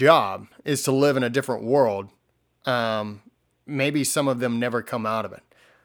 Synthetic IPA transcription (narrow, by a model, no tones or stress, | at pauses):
d͡ʒʒɑb̚ɪz̥tʰəlɪvɨ̃ñɨdɪfɹə̰̃nʔwɜ˞lˠd̚ | ʔʌ̃m | meɪbisʌ̃mʌvðɨ̃mnɛvə˞kʰʌ̃maʊɾʌvɨ̰t̚